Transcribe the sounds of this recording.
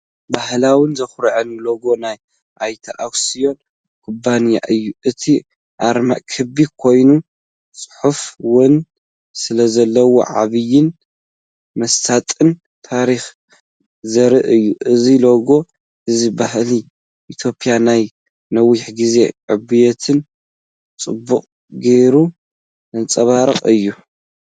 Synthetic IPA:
bahlawɨnzɐxɾʕɨnloɡo̞naj | ʔajt̪ʰaʔawsijo̞n | kʰubːanja̰ʔɨjːuʔɨt̪ʰi | ʔaɾma̰ʔkʰɨbikʰo̞jnu | sʼɨ̥ħufwɨn | sɨlɐzɐlːɐwo̰ʕa̰βɨjɪn | mɐst̪ʰat̪ʼɨn | t̪ʰaɾix | zɐɾɨʔɨjːuʔɨziloɡo̞ | ʔɨzibahli | ʔit̪ʰjo̞pʼijanaj | nɐwiħɡize̞ʕɨbɨjɛt̪ʰɨn | t͡sʼɨbːuqʼ | ɡeɾu | ɨnt͡sʼɐβaɾɐqʼɨjːu

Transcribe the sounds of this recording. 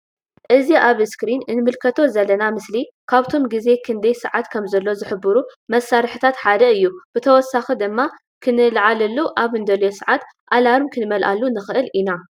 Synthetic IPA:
ʔɨziʔaβskɾinɨnmɨlkʰɐt̪ʰo̞zɐlːɐnamɨsli | kʰaβt̪ʰo̞mɡize̞kʰɨnd̪ɐjsɨʕat̪kʰɐmzɐlːo̞zɨħɨbɨɾumɐsːaɾħɨt̪ʰat̪ħad̪ɐɨjːub̥ɨt̪ʰɐwɔsːaxid̪ɨmːa | kʰɨnɨlʕalɐlːuʔaβɨnd̪ɐljosɨʕat̪ | ʔalaɾɨmkʰɨnɨmɐlʔalːunɨxɨʔɨlʔina

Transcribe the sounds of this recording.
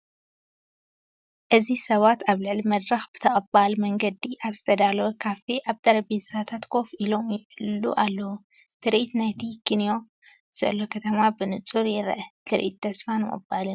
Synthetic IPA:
ʔɨzisɐβat̪aβlɨʕlimɐd̪ɾɐxbɨt̪ʰɐʔʼɐbalmɐŋɡɐd̪iʔaβzɨ̥t̪ʰɐd̪alwukʰafiʔaβt̪ʰʼɐɾɐbezsat̪ʰat̪kʰo̞fʔilo̞mjɪlːṵʔalːɐwu | t̪ʰɨɾʔit̪najt̪ʰikʰɨnjo̞ | ɨz̥ɐ̰lːo̞kʰɐt̪ʰɐmabɨnɨt͡sʼuɾjɪɾ̰ʔɐt̪ʰɨɾʔḭt̪ʰːɐsfanɨʔʼɨ̰balɨn

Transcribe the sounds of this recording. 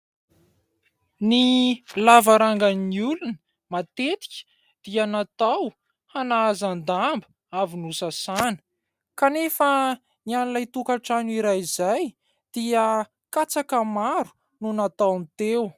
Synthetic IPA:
nilavaɾaŋɡaniulunə | mat̪et̪i̥kʲə̥ | d̪̥ianat̪aw | hanaːzand̪ambə | avinusasanə̥ | kanefə | nianilajt̪ukaʈ͡ʂaniɾajizaj | d̪̥iə | kat͡sakəmaɾu̥ | nunat̪awnt̪ew

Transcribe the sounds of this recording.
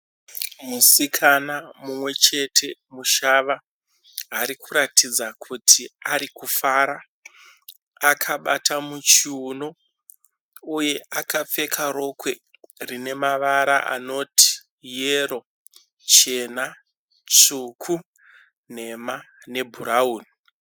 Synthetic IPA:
musikʰanamumwe̞t͡ʃe̞tʰe̞muʃaʋa | ɦaɾikuɾatʰid͡zakʰutʰiaɾikufaːɾa | akʰaɓatʰamut͡ʃiuno̞ | uje̞ʔakap͡fe̞kʰaɾo̞kwe̞ | rine̞maʋaɾa̰ʔa̰no̞ti̥ | jeɾo̞ | t͡ʃe̞na | t͡sukʰu | n̤e̞ma | ne̞bʱuɾauːni

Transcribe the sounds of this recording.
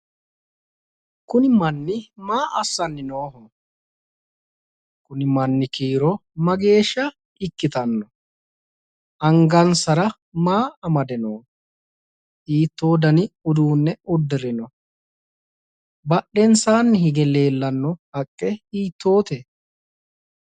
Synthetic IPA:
kʊnɪmɐnːɪmaːʔɐsːɐnːɪnoːɦɔ | kʊnɪmɐnːɪkiːɾɔmɐɡe̞ːʃːɐ | ɪkːɪt̪ɐnːɔ | ʔɐŋɡɐnsɐɾɐ | maːɐmɐd̪ɛnoː | ʔiːt̪ːo̞ːd̪ɐnɪʊd̪uːnːɛʊd̪ːɪɾɪnɔ | bɐɗːɛnsaːnːɪhɪɡɛle̞ːlːɐnːɔhɐkʼːɛiːt̪ːo̞ːt̪ɛ

